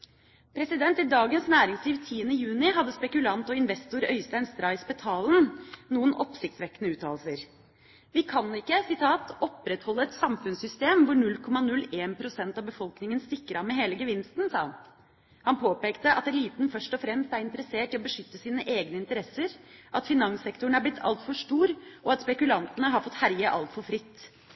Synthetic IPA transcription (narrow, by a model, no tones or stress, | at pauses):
pʰɾɛsɪd̪ɛnt̪id̪ɑːɡənsnæːɾɪŋsliːʋt̪ʰiːənəjʉːnɪɦɑd̪ːəspɛkʉlɑnt̪ɔɪnʋɛst̪ʊɾœ̰ʏst̪æɪnst̪ɾɑɪspɛt̪ʰɑːlnnuːənʔɔpsɪkt̪sʋɛkːənəʉːt̪ʰɑ̰ːlsəɾ | ʋɪkʰɑnɪkːəsɪt̪ʰɑːt̪ɔpɾɛt̪hɔlːəɛt̪sɑmfʉnsʏst̪eːmʋʊɳʉlːkʰɔmːɑnʉleːnpʰɾʊsɛnt̪ɑʋbəfɔlknɪŋənst̪ɪkːəɾɑʋmɛɦeːləɡəʋɪnst̪n̩sɑːɑ̰n | hɑnpʰoːpeːkt̪əʔɑt̪d̪ɛliːt̪n̩fœʂʈɔfɾɛmst̪æɾɪnt̪əɾəseːʈɪɔbəʂʏt̪ːəsiːnəʔeːɡnəɪnt̪əɾɛsəɾʔɑt̪fɪnɑŋsɛkt̪ʊɳ̩æɾblɪt̪ʰːɑ̰lt̪fɔʂʈuːɾʔɔɑt̪spɛkʉlɑnt̪ənəɦɑɾfɔt̪ːhæɾjəʔɑ̰lt̪fɔɾfɾɪt̪ː